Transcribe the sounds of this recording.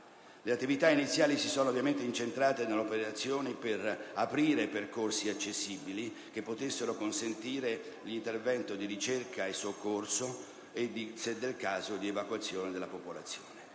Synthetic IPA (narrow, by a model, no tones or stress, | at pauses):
leat̪ːivit̪ainit̪sjaːlisisɔːnoːvjament̪eint͡ʃent̪ɾaːt̪enelːopeɾat̪sːjoːniperapɾiːɾeperkorsiat͡ʃːesːiːbili | k̟epːot̪esːeɾokonsent̪iːɾe | lint̪ervɛnt̪od̪iɾit͡ʃerkʰaesːokːorso | ed̪ised̪ːelkaːzod̪ievakwat̪sːjoːned̪elapopolat̪sːjoːne